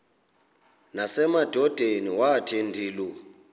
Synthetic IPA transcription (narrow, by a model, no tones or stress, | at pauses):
nasɛmad̥ʱɔd̥ʱeniwatʰendʱiːlu